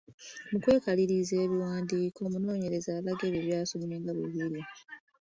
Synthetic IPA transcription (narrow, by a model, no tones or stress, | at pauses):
mukwe̞ːkaliɾize̞ːβiwaːndiːko̞ːmuno̞ːɲe̞ɾe̞zaːlaɡeβeːβjaːsumueːŋɡaβiβiɾi